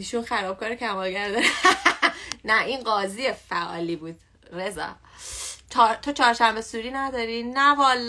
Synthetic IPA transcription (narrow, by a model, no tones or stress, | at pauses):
iːʃunxæɾɒːb̥̚kʰɒːɾicʰæmɒːlɡæɾd̪ɒɾæ | næʔinɢɒːzijefæʔɒ̰ːliːbuːd̪̥ | ɾezɒ̰ː | t͡ʃʰɒɾt̪ʰot͡ʃʰɒːɾʃæmbe̞suːɾiːnæd̪ɒːɾiːnævɒːl